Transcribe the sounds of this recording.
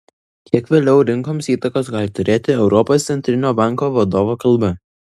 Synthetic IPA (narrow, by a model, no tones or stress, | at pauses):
kʲʰiɛkʋʲeːlʲɛʊɾʲɪŋkoːmsiːt̪ɐkoːsɡɑːlʲɪt̪ʊɾʲeːt̪ʲɪɛʊɾɔpoːst̪ʲɛnʲt̪ʲɾʲɪnʲoːbɑˑŋkoːʋɐd̪oːʋoːkɐlˠbɐ